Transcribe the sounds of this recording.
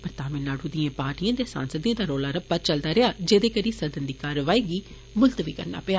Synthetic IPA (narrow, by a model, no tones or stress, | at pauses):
pəɾt̪aːmẽːnaːɽũːd̪ɪjãːpaːʈijãːd̪jẽːsa̰ːnsəd̪ĩːd̪aːɾoːlaːɾəb̚pəɾt͡ʃəld̪aːɾɪaːd͡ʒeːd̪eːkəɾiːsəd̪ənd̪iːkaːɾʋaːiːɡiː | mʊlt̪əʋiːkə̰ɾna̰ːpəaː